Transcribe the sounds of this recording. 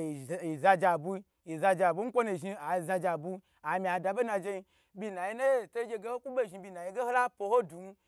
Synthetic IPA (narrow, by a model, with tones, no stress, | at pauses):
i˨za˧d͡ʒa˨bu˧˦ | i˨za˧d͡ʒa˨bu˦ŋ̩˦kʷo˦nu˨ʒi˧a˨za˧d͡ʒa˨bu˧ | a˨mʲi˨a˨da˧be˦na˧d͡ʒe˧i˧ | bʲi˧na˨ji˦na˦e˦˨to˦ɡʲe˧ɡe˦ho˦ku˦be˦˨ʒi˧bʲi˧na˨ji˧ɡe˦ho˦la˦po˧ho˦du˨n˦